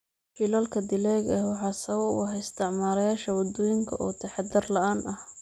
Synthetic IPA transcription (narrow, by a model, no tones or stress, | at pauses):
filɐlkʰɐd̪ɪlɛːɣɛwɑħɑːsɐβɐʊ̰ɦɛɪst̪ʰɪʕmaːɾɐjaːʃɐwɑd̪ɔːjɪŋkʰɐʔɔːt̪ʰɐħɑd̪ɪrlɐaːnɐh